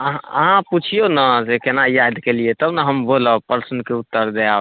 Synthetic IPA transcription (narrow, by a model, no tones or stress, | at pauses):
əɦəɦãput͡ʃʰijonəd͡ʒekenajad̪ʱkelijet̪əbnəɦəmboləpəɾsənkeut̪ːəɾd̪ea